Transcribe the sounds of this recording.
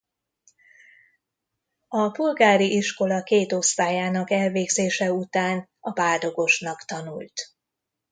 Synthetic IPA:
ɒbulɡaːɾiʔiʃko̞lɒkeːt̪o̞st̪aːjaːnɒkɛlveːɡzeːʃɛut̪aːnɒbaːld̪o̞ɡo̞ʃnɒkt̪ɒnult̪

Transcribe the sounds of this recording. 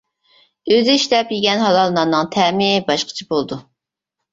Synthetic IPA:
øzɪʃlɛpjiɡʲɛnɦɑlɑlˠnɑʁnɨŋt̪ʰɛmɪbɑʃqʰə̥t͡ʃʰibolˠd̪u

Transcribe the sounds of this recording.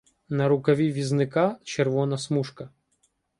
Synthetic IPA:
nɐɾʊkɐʋʲiʋʲiznɪkat͡ʃerʋɔnɐsmuʃkɐ

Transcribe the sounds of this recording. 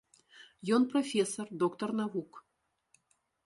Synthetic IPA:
jɔnprofʲesɔrd̪ɔkt̪ɔrnavuk

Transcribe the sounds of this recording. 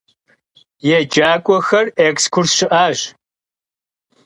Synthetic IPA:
jɛd͡ʒaːkʷʼɔxɐrekskʷʰʊrsʃɪʔaːʒ

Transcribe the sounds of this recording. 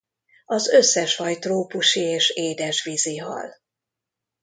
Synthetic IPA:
ɒzø̞sːɛʃfɒjt̪roːpuʃieːʃeːd̪ɛʃʋiziɦɒ̰l

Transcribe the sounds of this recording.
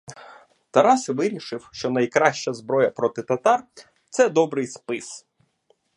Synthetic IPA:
t̪ɐɾɑsʋɪɾʲiʃɪwʃt͡ʃɔnɐjkɾɑʃt͡ʃɐzbɾɔjɐpɾɔt̪ɪt̪ɐt̪ɑr | t̪sɛd̪ɔbɾɪjspɪs

